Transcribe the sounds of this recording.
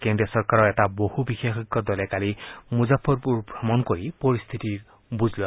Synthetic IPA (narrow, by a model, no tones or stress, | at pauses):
kendesɔɹkaɹɔɹɛtabohubixexɔɡɔdɔlɛkalimuzapʰːɔɹpuɹbʱɹamɔnkoɹipɔɹist̪ʰitiɹ | buzla